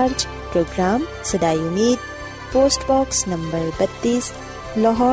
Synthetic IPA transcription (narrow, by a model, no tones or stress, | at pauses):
ɾd͡ʒ | pɾoːɡɾaːm | sɐd̪aːjumiːd̪̚ | poːsʈbɔːksnɐmbəɾbɐt̪ːiːs | lɔɦɔː